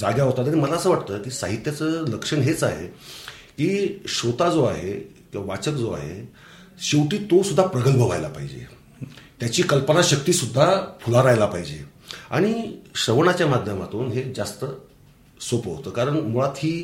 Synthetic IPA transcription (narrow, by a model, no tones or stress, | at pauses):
d͡zaɡjaɦot̪at̪aɽ̃iməlaəsəːʋaʈt̪əːkiːsa̰ɦit̪jat͡səːləkʂəɳɦet͡saɦḛ | kiːɕot̪ad͡zoa̰ɦe | kĩʋaʋat͡səkd͡zoa̰ɦḛ | ɕiwʈiːt̪osud̪ʱːapɾəɡəlbʱəʋajlapa̰ɦid͡ʑḛ | t̪jat͡ɕiːkəlpənaɕək̚t̪iːsud̪ʱːapʰulaɾajlapaɦid͡ʑḛ | a̰ɽ̃iɕəʋɳat͡ɕjamad̪ʱjəmat̪uːnɦed͡zast̪ə | sopəɦot̪əːkaɾəɳmuɭat̪ɦiː